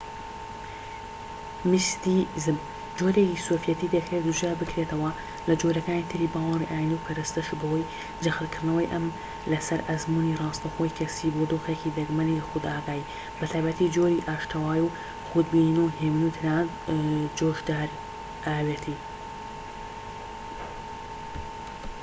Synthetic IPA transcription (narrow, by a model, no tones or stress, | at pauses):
mɨst̪izɨm | d͡ʒoɾekisoːfjɐt̪iːd̪ɐkɾet̪d̪uʒaːbɨkɾet̪ɐwɐ | lɐd͡ʒoɾɐkaːnit̪ʰɨɾiːbaːwɑriʔaːjind̪iwpʰɐɾɨst̪ɐʃubɐhoj | d͡ʒɐxɨlkɨɾd̪nɐwɐjʔɐm | lɐsɐɾʔɐzmunirˤɑːst̪ɐxojkʰɐsiːboːd̪oːxekid̪ɐɡmɐnilxʊd̪aːɡaːji | bɨt̪ʰaːjbɐt̪ʰiːd͡ʒoːɾiʔaːʃt̪ʰɐwaːjuw | xud̪biːninuheːminut̪ʰɨnaː | d͡ʒoːʒd̪aːɾ | ʔaːweːt̪ʰi